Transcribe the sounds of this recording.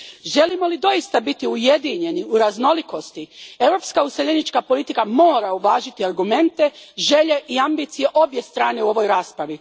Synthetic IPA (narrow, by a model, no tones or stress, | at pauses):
ʒe̞limo̞lid̪o̞jist̪abit̪iuje̞d̪iɲe̞niuɾazno̞liko̞st̪ie̞ʋɾo̞ːpskauseʎenit͡ʃkapo̞lit̪ikamo̞ːɾauʋaːʒit̪iaɾɡume̞nt̪e̞ʒe̞ʎe̞ʔiambiːt̪sije̞ʔo̞bje̞st̪ɾaːne̞uo̞ʋo̞jɾaːspɾaʋi